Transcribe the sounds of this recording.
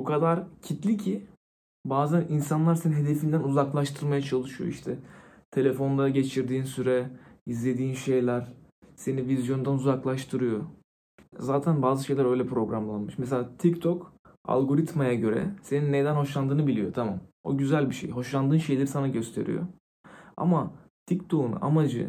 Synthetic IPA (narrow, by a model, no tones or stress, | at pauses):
bukʰad̪aɾcʰit̪lʲicʰi | baːzæninsanlˠaɾse̞ninɦe̞d̪e̞find̪ænuzaklˠaʃt̪ʰɯɾmajat͡ʃʰalˠɯʃɯjoiʃt̪ʰɛ | t̪ʰe̞lʲe̞fo̞nlˠaɾaɟe̞t͡ʃʰiɾd̪iːnsyɾɛizlʲe̞d̪iːnʃe̞jlʲæɾ | se̞nivizjo̞nd̪anuzaklˠaʃt̪ʰɯɾɯjo | zaːt̪ʰænbaːzɯʃe̞jlʲæɾø̞jlʲɛpɾo̞ɡɾamlˠanmɯʃmes̬elʲaːt̪ʰict̪ʰoka̰lˠɡo̞ɾit̪majaɟø̞ɾɛ̰se̞ninːed̪ænho̞ʃlˠand̪ɯːnɯbilʲijo̞t̪ʰama̰mo̰ɟyzælʲbiʃḛjɦo̞ʃlˠand̪ɯːnʃe̞jlʲeɾisanaɟø̞st̪ʰe̞̰ɾḭjo̰ | a̰mat̪ʰict̪ʰo̞unṵʔa̰mad͡ʒɯ̰